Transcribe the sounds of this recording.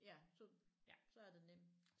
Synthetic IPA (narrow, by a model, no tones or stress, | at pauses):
jæsɔjæsɒ̽æɐd̥e̝nem̰d̥